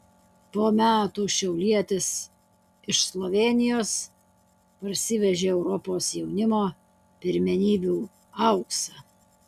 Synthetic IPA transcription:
poːmʲæːt̪uːʃʲɛʊlʲiɛt̪ʲɪs | ɪʃslˠoʋʲeːnʲɪjoːs | pɐɾʲsʲɪʋʲɛʒʲeːɛʊɾɔpoːsjɛʊnʲɪmoː | pʲɪɾʲmʲɛnʲiːbʲuː | ɐʊksɐ

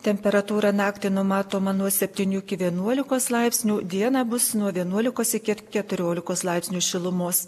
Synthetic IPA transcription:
t̪ʲɛmʲpʲɛɾɐt̪uːɾɑnɑːkt̪ʲɪnʊmɑːt̪oːmɐnuɔsʲɛpʲt̪ʲiːnʲuːɪkʲɪʋʲiɛnuɔlʲɪkoːslˠɐɪpʲsʲnʲuːd̪ʲiɛnɑbʊsnuɔʋʲiɛnuɔlʲɪkoːsɪkʲɪkʲɛt̪ʊɾʲoːlʲɪkoːslˠɐɪpʲsʲnʲuːʃʲɪlˠʊmoːs

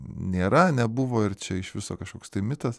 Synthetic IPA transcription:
nʲeːɾɐnʲɛbʊʋoːɪɾt͡ʃʲɛɪʃʋʲɪsoːkɐʃkoːkst̪ɐɪmʲɪt̪ɐs

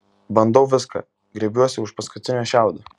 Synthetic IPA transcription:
bɐnd̪ɐʊʋʲɪskɐ̰ | ɡɾʲɛbʲuɔsʲɪʊʃpɐskʊt̪ʲɪnʲoʃʲæˑʊd̪ɐ

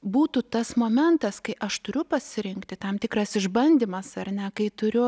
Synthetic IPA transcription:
buːt̪ut̪ɐsmoːmʲɛnt̪ɐskɐɪʔɐʃt̪ʊɾʲʊpɐsʲɪɾʲɪŋkt̪ʲɪt̪ɐmt̪ʲɪkrɐsɪʒbɐnʲd̪ʲiːmɐsɐrʲnʲɛkɐɪt̪ʊɾʲʊ

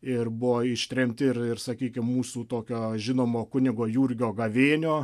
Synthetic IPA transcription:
ɪrbʊʋoːɪʃʲt̪ʲɾʲɛmʲt̪ʲɪɪrɪrsɐkʲiːkʲɪmmuːsuːt̪oːkʲoːʒʲɪnoːmoːkʊnʲɪɡoːjuːrʲɡʲoːɡɐʋʲeːnʲoː

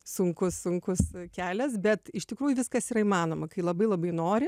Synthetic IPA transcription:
sʊŋkʊssʊŋkʊskʲæːlʲɛsbʲɛt̪ɪʃt̪ʲɪkɾuːjʊʋʲɪskɐsiːɾɐimɑːnoːmɐkɐɪlˠɐbɐɪlˠɐbɐɪnoːɾʲɪ

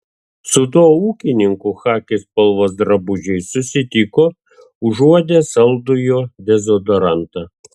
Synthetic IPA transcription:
sʊd̪oːuːkʲɪnʲɪŋkuxɑːkʲɪspɐlˠʋoːsd̪ɾɐbʊd͡ʒʲɛɪsʊsʲɪt̪ʲikoː | ʊʒuɔd̪ʲesɐlˠd̪ʊjoːd̪ʲɛzɔd̪ɔɾɑnt̪ɐ

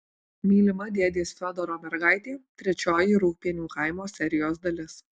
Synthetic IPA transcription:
mʲiːlʲɪmɐd̪ʲeɛd̪ʲeːsfʲɔd̪ɔɾoːmʲɛɾɡɑˑɪt̪ʲeːt̪ʲɾʲɛt͡ʃʲoːjiɾuːk̚pʲiɛnʲuːkɐɪmoːsʲɛɾʲɪjoːsd̪ɐlʲɪs

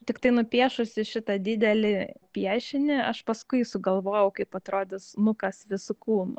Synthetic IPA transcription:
t̪ʲɪkt̪ɐɪnʊpʲiɛʃʊsʲɪʃʲɪt̪ɐd̪ʲɪd̪ʲɛlʲɪpʲiɛʃʲɪnʲɪɐʃpɐskʊɪsʊɡɐlˠʋoːjɛʊkɐɪpɐt̪ɾoːd̪ʲɪsnʊkɐsʋʲɪsʊkuːnʊ

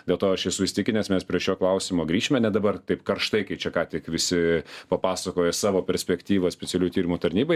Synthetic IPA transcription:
d̪ʲeːlˠt̪oːɐʃjɛsʊɪsʲɪt̪ʲɪkʲɪnʲɛsmʲɛspʲɾʲiɛʃʲoːklˠɐʊsʲɪmoːɡɾʲiːʃʲɪmʲɛnʲɛd̪ɐbɐrt̪ɐɪpkɐrʃt̪ɐɪkɐɪt͡ʃʲɛkɑːt̪ʲɪkʋʲɪsʲɪpɐpɑːsɐkoːjɛsɑːʋoːpʲɛɾʲsʲpʲɛkt̪ʲiːʋɐsʲpʲɛt̪sʲɪɛlʲuːʊt̪ʲiːɾʲɪmoːt̪ɐɾʲnʲiːbɐɪ

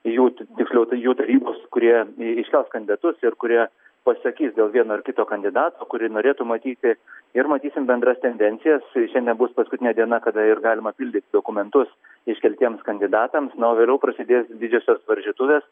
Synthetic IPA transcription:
juːt̪ʲɪksʲlʲɛʊjuːt̪ɐɾʲiːboːskʊɾʲiɛɪʃʲkʲɛlˠskɐnd̪ʲɪd̪ɐt̪ʊsɪɾkʊɾʲiɛ | pɐsɐkʲiːsd̪ʲeːlˠʋʲiɛnoːɪɾrkʲɪt̪oːkɐnʲd̪ʲɪd̪ɑːt̪oːkʊɾʲɪnoːɾʲeːt̪ʊmɐt̪ʲiːt̪ʲɪɪɾmɐt̪ʲiːsʲɪmbʲɛnd̪ɾɐst̪ʲɛnʲd̪ʲɛnʲtsʲɪjɛsʃʲɛnd̪ʲɛnbʊspɐskʊt̪ʲɪnʲɛːd̪ʲiɛnɐkɐd̪ɐɪrɡɑːlʲɪmɐpʲɪlʲd̪ʲɪt̪ʲɪd̪oːkʊmʲɛnt̪ʊs | ɪʃʲkʲɛlʲt̪ʲiɛmskɐnʲd̪ʲɪd̪ɑːt̪ɐmsnɐoːʋʲeːlʲɛʊpɾɐsʲɪd̪ʲeːsd̪ʲɪd͡ʒʲoːsʲoːsʋɐɾʲʒʲiːt̪ʊʋʲeːs

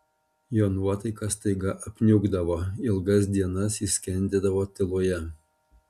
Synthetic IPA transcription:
joːnuɔt̪ɐɪkɐst̪ɐɪɡɐʔɐpʲnʲʊɡd̪ɐʋoːɪlˠɡɐs̬d̪ʲiɛnɐsisʲkʲɛnʲd̪ʲeːd̪ɐʋoːt̪ʲɪlˠuːjɛ

